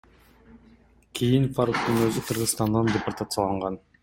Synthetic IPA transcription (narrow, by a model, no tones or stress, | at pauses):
kʲʰijinfaɾuk̚t̪ɯnøzʏqʰɯɾʁɯzst̪ɑnd̪ɑndʲeport̪at̪səɑlˠɑɴʁɑn